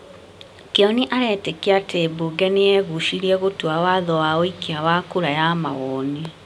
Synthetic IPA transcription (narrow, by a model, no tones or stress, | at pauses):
keɔniʔaɾɛtekiatʰeboɡɛneɛɣuʃiɾiɛɣotuawaðɔwaoikeawakuɾajamawɔni